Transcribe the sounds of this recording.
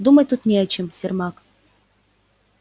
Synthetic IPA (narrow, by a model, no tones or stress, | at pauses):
d̪umɐt̪ut̪nʲɛɐt͡ɕɪmsʲɪrmak